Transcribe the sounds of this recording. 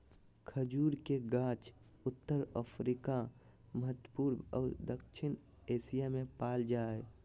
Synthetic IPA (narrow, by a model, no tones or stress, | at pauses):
kʰəd͡ʒuːɾkeɡãːt͡ʃ | ʊt̪ːəɾəpʰɾika | məɦət̪wəpuːɾmɔːd̪əkʃʰɪn | eːsijamẽpaːld͡ʒaːɦɛ